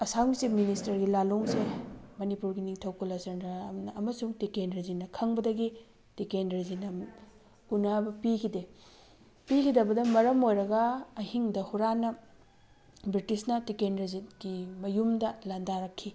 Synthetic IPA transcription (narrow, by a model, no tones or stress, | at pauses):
ɐsawnisip̚ministɐɾɡilaloŋsemɐnipuɾɡiniŋtʰɐwkulɐsɐnɐnɐmɐsuŋtikendɾɐzinːɐkʰɐŋbɐdɐɡi | tikendɾɐzinɐ | unabɐpikʰide | pikʰidɐbɐdɐmɐɾɐmojɾɐɡɐːhiŋdɐhuɾanɐ | bɾitisnɐtikenɐzit̚ɡ̥imɐjumdɐlandaɾɐkʰːi